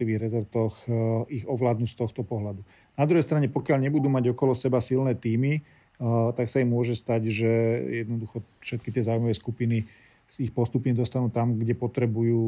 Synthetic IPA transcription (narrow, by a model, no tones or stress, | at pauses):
iʋiːɣɾɛzɔɾt̪ɔxiɣɔʋlaːd̪nuːcst̪ɔxt̪ɔpɔɦlad̪u | nad̪ɾuɦɛjst̪ɾaɲɛpɔkɪaʎɲɛbud̪uːmaɟɔkɔlɔsɛbasilnɛːt̪iːmi | t̪aksaimʊɔʒɛst̪aɟʒɛjɛd̪nɔd̪uxɔfʃɛt̪kit̪ɪɛzaːwujmɔʋɛskupini | ixpɔst̪upɲɛd̪ɔst̪anuːt̪amɡɟɛpɔt̪ɾɛbujuː